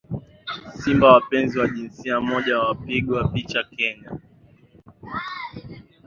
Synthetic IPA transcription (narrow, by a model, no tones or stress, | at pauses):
simbawapɛnziwaʄinsiamɔʄawawapiɠwapit͡ʃakɛɲa